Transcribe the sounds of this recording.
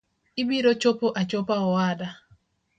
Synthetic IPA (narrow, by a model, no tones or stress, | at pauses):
ɪbiɾot͡ʃopoʔat͡ʃopaɔwada